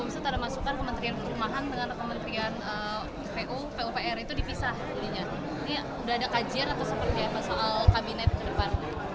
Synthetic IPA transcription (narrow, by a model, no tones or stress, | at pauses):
misat̪adamasukankəmənt̪ɾiankəɾumaɦandəŋankəmənt̪ɾianə | peʔupeupeɛrit̪udipisah | udiɲa | ini | udaɦadakad͡ʒɪɾat̪awsəpərd̪ianmasoʔalkabinɛt̪̚kədəpan